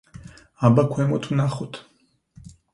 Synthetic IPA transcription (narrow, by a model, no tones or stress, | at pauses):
abakʷʰwɛmɔt̪ʰunaχɔt̪ʰ